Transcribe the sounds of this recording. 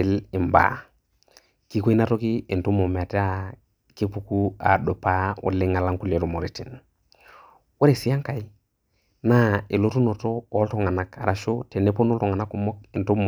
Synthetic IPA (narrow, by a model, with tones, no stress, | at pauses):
ɪ˦lɪ˨mba̰˨ | ki˦ko˦i˦na˦to˦ki˦ɪ˨ntu˦mo˨m˨a˨ta˦ | ki˦pu˨ku˦a̰˨do˨pa˦ṵ˨lɪ˦ŋa˨la˦ŋku˦le˨ɾu˨mo˨ɾi˨ti˨n | wɛ˦ɾe˨si˦a˦ŋka˨i˦ | na˦ɪ˨lo˦tu˦nɔ˨tɔː˦ltɔ˨ŋa˨na˨ka˨ɾʔa˨ʃo˦te˨ne˦po˦no˦ltɔ˨ŋa˨na˦ku˦mɔ˦k̚ɪ˨ntu˦m